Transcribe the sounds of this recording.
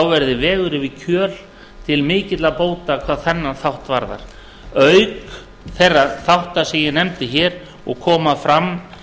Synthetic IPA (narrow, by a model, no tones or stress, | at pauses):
awvɛɾðɪvɛːɣʏɾɪvɪcʰœːl | t̪ʰɪlmɪːcɪt̪laðpoːwt̪akʰv̥aːðθɛnːanθawht̪va̰ɾða̰ɾ̥ | œɥk | θejrːaθawht̪asɛmjɪnɛmt̪ɪçɛːɾ | ɔɣkʰɔːmafɾam